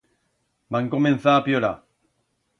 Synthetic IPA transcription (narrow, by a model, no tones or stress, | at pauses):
baŋkomenθaːpjola̰